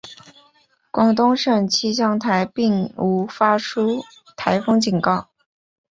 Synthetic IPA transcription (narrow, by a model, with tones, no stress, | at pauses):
kwɑ˨˩ŋt̪ʊ˥ŋʂə˥˩ŋt͡ɕʰi˥ɕ̬jɑ˥˩ŋt̪ʰa˧˥ɪpi˥˩ŋu˧˥fa˥ʈ͡ʂʰu˥ | t̪ʰa˧˥ɪfɤ˥ŋt͡ɕi˨˩nkɑ˥˩ʊ